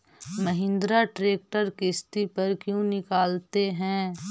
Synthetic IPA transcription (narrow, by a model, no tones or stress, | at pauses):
mɐɦɪ̃nd̪ɾaʈɾeːk̚ʈəɾkɪst̪ipɐɾkjõnɪkaːlt̪eɦɛ̃ː